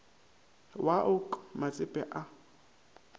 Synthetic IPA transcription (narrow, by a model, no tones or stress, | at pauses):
waʔʊkʼmat͡sʼɪpʼɛ̰ʔa